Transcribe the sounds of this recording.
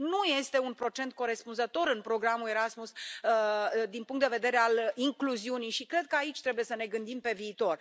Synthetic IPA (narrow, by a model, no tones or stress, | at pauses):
nuje̞st̪e̞unpɾo̞t͡ʃe̞nt̪̚ko̞ɾe̞spunzət̪o̞ɾɨnpɾo̞ɡɾamule̞ɾasmusəd̪inpuŋkt̪d̪eve̞d̪e̞ɾe̞aliŋkluziunijʃikɾe̞d̪̚kəait͡ʃʲt̪ɾe̞buje̞səne̞ɡɨnd̪impe̞viːt̪o̞r